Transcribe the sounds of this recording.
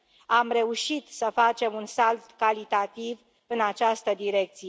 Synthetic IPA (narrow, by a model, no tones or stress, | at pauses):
amre̞uʃit̪səfat͡ʃe̞munsalt̪kalit̪at̪iv | ɨnat͡ʃast̪əd̪iɾe̞k̚t̪sij